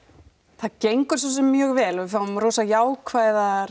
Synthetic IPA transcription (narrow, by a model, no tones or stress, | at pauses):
θaðcejŋkʏɾ̥s̬ɔsɛmːjœːɣvɛːlɔvɪfawmɾoːwsajaːwkʰvaːjðaɾ